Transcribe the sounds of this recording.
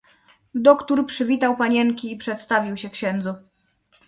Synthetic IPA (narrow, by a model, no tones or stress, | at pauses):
d̪ɔkt̪uɾpʂɘvʲit̪awpaɲɛŋkʲiːpʂɛt̪st̪avʲiwɕɛkɕɛnd̪zu